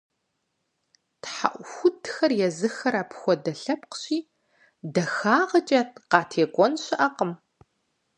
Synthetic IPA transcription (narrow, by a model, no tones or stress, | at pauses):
tħa̰ʔʷxʷʊtʰxɐrjɛzɨxɐɾaːpxʷɔdɐɬɐp̚qə̥ɕiː | dɐxaːʁɐt͡ʃʼɐtqɑːtʰeːɡʷʼɔnɕɪʔɐqəm